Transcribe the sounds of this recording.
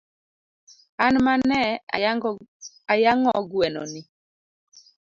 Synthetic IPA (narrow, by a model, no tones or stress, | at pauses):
anmanɛ | ajaŋɔɡwɛnɔ̰ni